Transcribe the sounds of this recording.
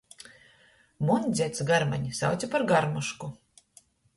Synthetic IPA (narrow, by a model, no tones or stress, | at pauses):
munʲd̪zʲɛt̪sɡaɾma̰ɲisa̰wt̪sʲapaɾɡaɾmuʃku